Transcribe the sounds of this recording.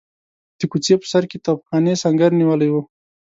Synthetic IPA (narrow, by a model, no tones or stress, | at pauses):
d̪̥əkut͡sepə̥saɾket̪ɑfxɑnesaŋɡaɾniwəlajwu